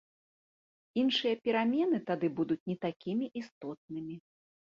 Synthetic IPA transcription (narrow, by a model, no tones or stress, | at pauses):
inʂɨjɐpʲɛɾamʲɛnɨt̪ad̪ɨbud̪ut͡sʲnʲɛt̪akʲimʲiʔist̪ɔt̪̚nɨmʲi